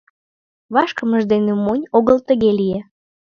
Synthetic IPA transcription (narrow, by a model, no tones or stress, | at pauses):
βɑʃkəməʒd̪enemonʲoɣəlt̪əɣelije